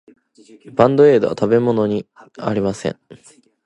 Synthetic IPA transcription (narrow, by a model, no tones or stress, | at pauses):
bãnd̪oe̞ːd̪oa̰t̪abe̞mo̞no̞ɲ̟i | a̰ɾʲimasẽ̞̰ɴ